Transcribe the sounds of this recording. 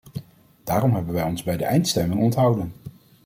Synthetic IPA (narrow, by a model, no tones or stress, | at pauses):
d̥aːrɔmɦɛbənʋɛjɔnzbɛjdəʔɛjntstɛmɪŋɔntɦɑwdən